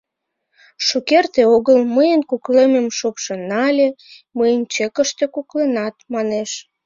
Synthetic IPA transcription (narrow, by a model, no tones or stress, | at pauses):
ʃukert̪eoɣəlməjənkuklememʃopʃenɑlʲeməjənt͡ɕekəʃt̪ekuklenɑt̪mɑneʃ